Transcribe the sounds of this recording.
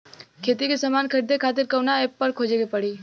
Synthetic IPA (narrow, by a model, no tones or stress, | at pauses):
kʰeːt̪ikesɐmaːnkʰɐɾid̪ʱekʰaːt̪̬ɪɾkɐwnaeːpːɐɾkʰoːd͡ʒeɡepəɽiː